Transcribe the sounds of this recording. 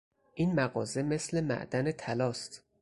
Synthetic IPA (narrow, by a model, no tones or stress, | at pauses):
ʔiːnmæɣɒːze̞me̞sle̞mæ̰ʔd̪ænet̪ʰælɒːst̪